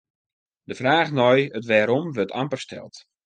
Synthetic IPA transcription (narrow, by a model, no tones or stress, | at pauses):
dəfraːχnɔjətʋɛːɾɔmʋøtʰampərstʰɛ̰lˠt